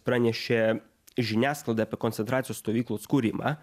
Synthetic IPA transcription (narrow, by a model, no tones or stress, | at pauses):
pɾanʲɛʃt͡ʃɛ | ʒinʲasklˠɐd̪ɛpɛkɔnt̪sɛnt̪ɾasʲjɔst̪ɔʋʲiklˠɔt̪skuɾʲimʔa̰